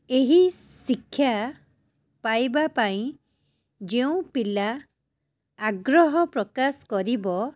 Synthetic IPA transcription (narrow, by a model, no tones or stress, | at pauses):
eɦisikʰːja | pajbapaĩ | d͡ʒeũpila | ɡɾɔɦɔpɾɔkaskɔɾibɔ